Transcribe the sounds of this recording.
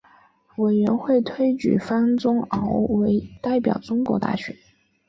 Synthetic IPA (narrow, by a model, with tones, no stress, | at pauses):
we˨˩ɪɥɛ˧˥nxwe˥˩ɪt̪ʰwe˥ɪt͡ɕy̰˨˩fa˥nt͡sʊ˥ŋɑ˧˥ʊwe˧˥ɪt̪a˥˩ɪpjɑ̰˨˩ʊt͡sʊ˥ŋkwɔ̰˧˥t̪a̰˥˩ɕɥɛ̰˧˥n